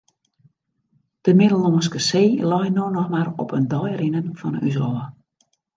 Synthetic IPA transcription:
d̥əmɪdəl̩ˠoənskəseːlɔjnoːnɔxmaɾɔ̰pʰəndɔjɾɪnənfɔnənysɔːə

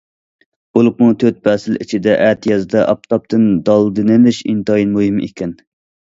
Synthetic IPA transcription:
b̥olˠʊq̚mut̪ʰøt̪̚bɛsɪlḭt͡ʃʰid̪ɛʔæt̪ʰjɛzd̪ɛʔɑp̚t̪ʰɑp̚t̪ʰɨnd̪ɑlˠd̪ɨnɪlɪʃḭnt̪ɑjinmuhimḛkʲɛn

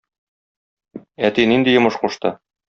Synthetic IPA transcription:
æt̪inind̪ijŏmɤʃquʃt̪ɤ

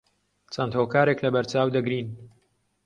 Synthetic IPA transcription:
t͡sʰɐnt̪hoːkaːɾeklɐbɐɾt͡ʃaːwd̪ɐɡɾiːn

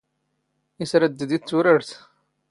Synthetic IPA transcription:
isɾəd̪ːəd̪it͡sːuɾəɾθ

